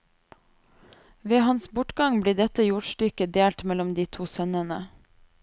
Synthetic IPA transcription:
ʋeːhɑnsbʊʈɡɑŋbliːɖɛt̪əjuɖʃʈʏkəd̪eːlt̪mɛlɔmd̪iːt̪ʰuːsœnənə

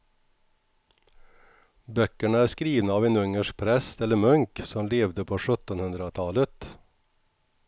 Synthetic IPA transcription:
bœkəɳəæːskɾiːʋnəɑːʋeːnɵŋəʂk̚pʰɾɛst̪ɛləɾmœŋksɔmleːʋd̪əpʰoːʂœt̪ənhɵnd̪ɾət̪ʰɑːlət̪

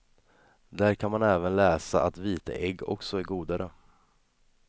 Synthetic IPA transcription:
d̪æɾkʰanmanɛːvənlɛːsaʔat̪viːt̪ə̰ʔɛɡːɔ̰ksɔæɾɡuːd̪aɾə

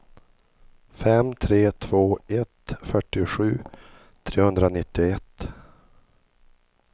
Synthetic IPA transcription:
fɛmt̪ʰɾeːt̪ʰv̥oːɛt̪fœʈːɪɧʉ̟ː | t̪ʰɾeːhɵnd̪ɾanɪt̪ːɪɛt̪ː

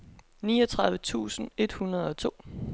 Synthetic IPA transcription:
niːɒt͡sʰʁɑ̈ðˠʋət͡sʰṵːsn̩e̝d̥hunɐð̞̩ˠɒ̽t͡sʰo̝̰ː

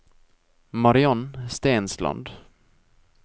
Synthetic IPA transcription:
maɾɪɔnst̪eːnsla̰nd̪

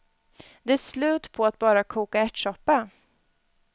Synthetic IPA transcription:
d̪ɛæslʉ̟ːt̪pʰɔat̪̚bɑːɾakʰuːkaɛʈʂɔpːa

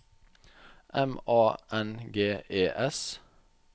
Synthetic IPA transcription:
ʔɛmɑːʔɛnɡeːeːʔɛs

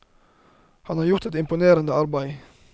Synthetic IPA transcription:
hɑnɑːɾjʊɾt̪ɛt̪ɪmpʊneːɾənd̪əɑɾbæɪ

